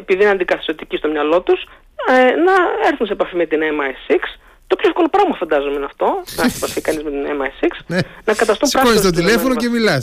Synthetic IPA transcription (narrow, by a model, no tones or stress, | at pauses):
epiðineɐnd̪ikɐθi̥sot̪icist̪omɲɐlo̞t̪us | nɐeɾθunsepɐfime̞t̪inemɐesiks | t̪opçoefko̞lo̞pɾɐɣmɐfɐnd̪ɐzomenɐft̪o̞ɐsepɐfikɐnizmet̪inemɐesiksnɐkɐt̪ɐst̪umpɾɐɣoɲt̪ot̪ilefonocemilɐs